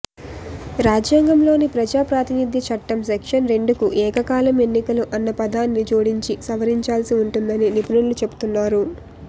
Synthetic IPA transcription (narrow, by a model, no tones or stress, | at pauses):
ɾaːd͡ʒjaːŋɡɐmlo̞ːnipɾɐd͡ʒaːpɾaːt̪inid̪ʱjit͡ʃɐʈːɐmsekʂɐnɾe̞ɳɖukuʔɛːkɐkaːlɐme̞nːikɐluʔɐnːɐpɐd̪aːnːit͡ʃoːɽiɲt͡ʃisɐʋɐɾiɲt͡ʃaːlsiuɳʈund̪ɐninipunulːut͡ʃe̞bu̥t̪unːaːɾu